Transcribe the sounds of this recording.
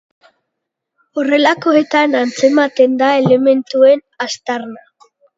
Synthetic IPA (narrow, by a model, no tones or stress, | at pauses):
o̞re̞lako̞e̞t̪anant͡se̞mat̪e̞nd̪ae̞le̞me̞nt̪ue̞n | ast̪arna